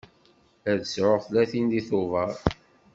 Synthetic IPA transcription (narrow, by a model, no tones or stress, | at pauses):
æðsʕoθlæθind̪iθʊvɑɾˤ